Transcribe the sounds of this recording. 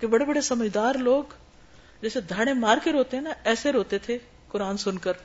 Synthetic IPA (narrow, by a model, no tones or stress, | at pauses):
kebɐɽebɐɽesɐməd͡ʒd̪aːɾloːɡ | d͡ʒɛːsed̪ʱaːɽ̃emaːɾkeɾoːt̪eɦɛnɐɛːseɾoːt̪et̪ʰe | kʊɾaːnsʊnkəɾ